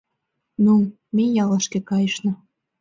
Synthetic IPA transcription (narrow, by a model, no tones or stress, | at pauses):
nu | mejɑlɑʃkĕkɑjəʃnɤ̆